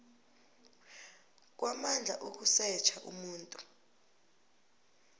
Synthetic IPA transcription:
k̬wamand͡ɮʱa̰ʔok̬usɛt͡ʃʰaʔṵmuːntʼu

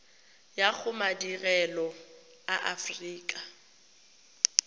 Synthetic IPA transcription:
jak͡xʰʊmadirɛlɔ | aʔa̰friːkʼa

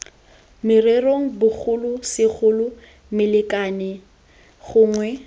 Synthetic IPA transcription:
mɪreroŋ̩bʊk͡xʰʊlʊsɪk͡xʰʊlʊ | mɪlɪkʼanɪ | ɣʊːŋwɛ

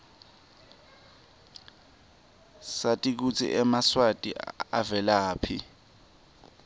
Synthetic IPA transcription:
satʼik̬ut͡sʰḭʔɛmaswatʼḭa̰vɛlaːpʰi

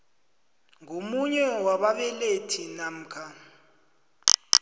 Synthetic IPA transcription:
ŋʱomuɲɛwaɓaɓɛletʰinam̩kʰa

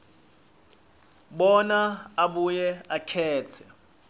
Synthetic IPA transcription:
ɓɔnaaɓujɛakʰɛːtʰɛ

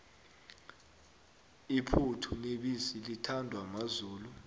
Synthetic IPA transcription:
ipʰutʰuneɓisilitʰandʱwamazuːlu

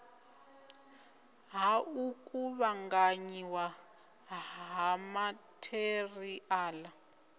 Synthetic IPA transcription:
ɦaukʼuβaŋɡaɲiwa | ɦamatʰeriʔaːla

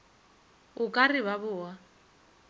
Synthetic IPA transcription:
ʊkʼarɪβabʊːwa

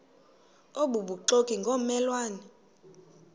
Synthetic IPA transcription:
oɓuɓuǃokʼiŋɡʱomɛlwaːnɛ

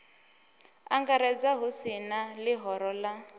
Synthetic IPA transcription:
a̰ŋɡaɾɛd͡zaɦusinalɪɦɔɾɔla

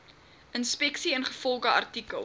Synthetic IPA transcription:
ʔənspɛksiənχəfɔlˠχəɐ̰rtikəlˠ

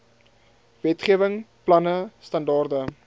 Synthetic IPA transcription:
vɛtχiəvəŋplɐnəstɐndɑːrdə

